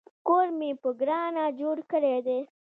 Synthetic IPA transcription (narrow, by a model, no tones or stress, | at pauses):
koɾmipəɡɾɑnad͡ʒoɽkəɽed̪e